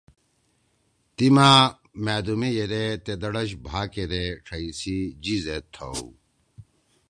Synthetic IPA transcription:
t̪imaː | mæːd̪umejeɾet̪ed̪ɐɽɐɕbʱaːkeɾeʈ͡ʂʰɐisid͡ʑizet̪ʰːɐ̰w

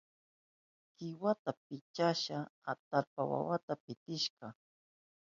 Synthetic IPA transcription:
kɪwat̪ap̚ɪt͡ʃaʃaat̪alpawa̰wat̪apɪt̪ɪʃɢɑ

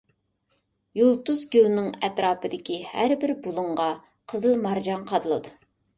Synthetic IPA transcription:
julˠt̪uzɡʲylˠnɪŋɛt̪ɾɑːpɨd̪ɪkʲihæɾbɪɾbulˠʊɴʁɑ | qʰəzɨlˠmɑɾd͡ʒɑŋqʰɑd̪ɨlˠɨd̪u

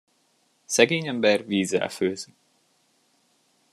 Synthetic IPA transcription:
sɛɡeːɲɛmbɛrviːzːɛ̰lføːz

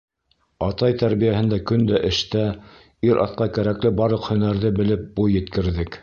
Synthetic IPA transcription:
ɑt̪ɑjt̪æɾβijæhɘ̆nd̪ækɵnd̪æʔɘ̆ʃt̪æ | iɾʔɑ̰t̪qɑkæɾæklɘbɑɾɤqhɵ̆næɾðɘbɘ̆lɘp̚bujːɘ̆t̪kɘ̆ɾðɘk

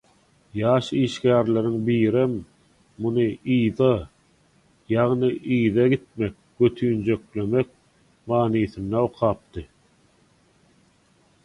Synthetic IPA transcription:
jɑːʃiːʃkæːɾle̞ɾiŋbiːɾemː | unɯiːðɑ | jɑʁnɯʔiːðɑɡit̪̚me̞k̚ | ɡøt̪ʰyːnd͡ʒø̞kle̞mek̚ | mɑːniːθɯnd̪ɑoqʰɑːp̚t̪ɯ

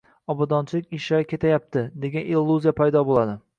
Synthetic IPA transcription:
ɒbɒd̪ɒnt͡ʃʰɪlɪkʲɪʃakʲʰe̞t̪ʰajap̚t̪ʰɪd̪e̞ɡʲanilˠːuzijapʰajd̪ɒbolˠad̪ɪ

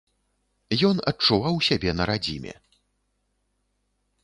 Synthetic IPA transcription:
jɔnɐt͡ʂuvawsʲabʲɛnɐɾad͡zʲimʲɛ̰

